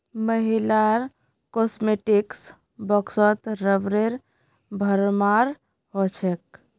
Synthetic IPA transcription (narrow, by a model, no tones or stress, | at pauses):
məɦilaɾ | kosmeʈiks | bəksət̪ɾəbɾeɾ | bʱəɾmaɾ | ɦot͡ʃʰek̚